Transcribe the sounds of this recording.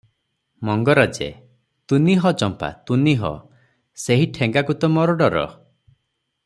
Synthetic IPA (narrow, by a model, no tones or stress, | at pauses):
mɔŋɡɔɾad͡ʒḛ | t̪uniɦɔt͡ʃɔmpa̰t̪uniɦɔ̰ | seɦiʈʰẽŋɡakut̪ɔmɔɾɔɖɔɾɔ̰